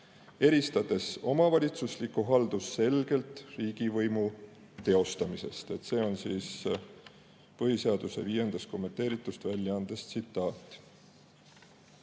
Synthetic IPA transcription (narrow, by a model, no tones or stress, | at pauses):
e̞ɾist̪ɑd̪̥e̞so̞̰mɑvɑlʲit̪suslikːuɦɑld̪̥usːe̞lɡ̥e̞lt̪riːɡ̥ivɤjmu | t̪e̞o̞st̪ɑmise̞̰st̪e̞t̪se̞ːo̞nsiːs | pɤɦise̞ɑd̪̥use̞̰viːje̞nd̪̥ɑst̪ko̞mːe̞nt̪e̞ːɾit̪ːˑust̪vælʲjɑɑnd̪̥est̪sit̪ːˑɑːt̪ːˑ